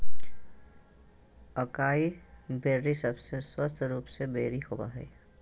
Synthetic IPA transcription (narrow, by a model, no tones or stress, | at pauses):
əkaːibeːɾːisəbseswəst̪ʰɾuːpsebeːɾihoːba̰ːɦɛ̰ː